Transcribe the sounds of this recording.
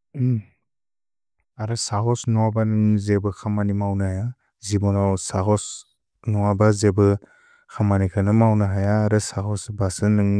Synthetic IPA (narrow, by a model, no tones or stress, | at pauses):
aɾɯsaɦɔsnɔwabanɯŋzebɯkʰamanimawnahaja | zibɔnawsaɡɔs | nɔwabazebɯ | kʰamanikʰanɯmawnɯɦajaːɾɯsaɦɔsbasɯnɯŋ